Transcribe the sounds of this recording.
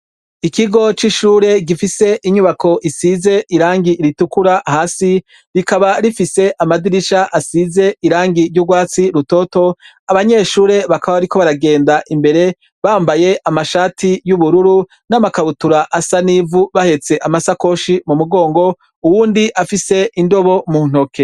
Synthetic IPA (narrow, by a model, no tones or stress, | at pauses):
ikiɡo̞t͡ʃiʃuːɾe̞ɡifise̞ʔiɲuβakʰo̞ʔisize̞ʔiɾaːŋɡiʔɾitukuɾaʔhaːsi | ɾikaβaɾifise̞ʔamadiɾiʃaʔasize̞iɾaːŋɡiɾɟuɡwaːt͡siɾuto̞ːto̞ | aβaɲe̞ːʃuːɾe̞βakaβaβaɾiko̞βaɾaɡe̞ːndaʔimbe̞ɾe̞ | βaːmbaje̞ʔamaʃaːtijuβuɾuɾu | namakaβutuɾaʔasanivuβahe̞t͡se̞ʔamasako̞ʃimumuɡo̞ːŋɡo̞ | uwuːndiʔafise̞ʔindo̞βo̞muːn̥okʰe̞